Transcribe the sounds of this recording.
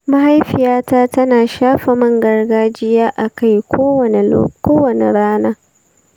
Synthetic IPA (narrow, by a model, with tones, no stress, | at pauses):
mɐ˦ɦa˦jɸɪ˨jaː˦taː˦tɐ˦naː˨ʃaː˦ɸɐ˨mɐ˦˨ŋɡɐ˨rɡaː˦d͡ʒɪ˦jaː˦ʔa˨ka˦˨jkʷoː˦wɐ˨nḛ˨kʷoː˦wɐ˨nḛ˨ɽaː˦naː˦